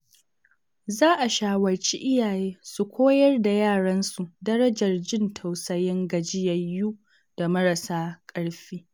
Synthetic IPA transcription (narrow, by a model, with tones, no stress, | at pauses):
zaː˦ʔa˨ʃaː˨wɐ˨rt͡ʃi˦ʔɪ˦jaː˨jeː˦su˨kʷoː˦jɐ˦rda˨jaː˦˨ɽɐ˦nsu˨ʔdɐ˦ɾɐ˦d͡ʒɐ˨rd͡ʒɪ˦ntʰɐ˨wsɐ˨jɪ˦ŋɡɐ˨d͡ʒɪ˦jɐ˨jːuː˦ | d̥a˨mɐ˦ɾa˨saː˦kʼɐ˦ɽɸiː˦